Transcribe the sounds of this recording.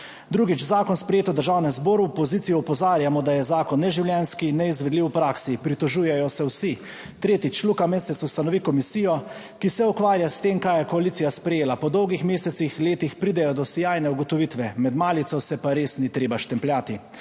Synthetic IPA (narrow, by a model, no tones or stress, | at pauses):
d̪ɾuːɡit͡ʃzaːkɔnspɾɛjeːt̪ɔwd̪əɾʒaːwnɛmzboːɾuɔpɔziːt̪sijɔɔpɔzaːɾjamɔd̪ajɛzaːkɔnːɛʒiwljɛnskinːɛizʋɛd̪liwpɾaksipɾit̪ɔʒuːjɛjɔsɛwsi | t̪ɾeːt̪it͡ʃlukameːsɛt̪sust̪anɔʋikɔmisijɔ | kisɛukʋaːɾjast̪eːmkaːjɛkɔalit̪sijaspɾɛjeːlapɔd̪ɔwɡixmeːsɛt̪sixleːt̪ixpɾiːd̪ɛjɔd̪ɔsijajnɛuɡɔt̪ɔʋiːt̪ʋɛmɛd̪maːlit̪sɔsɛpaɾeːsnit̪ɾeːbaʃt̪ɛmplʲjaːt̪i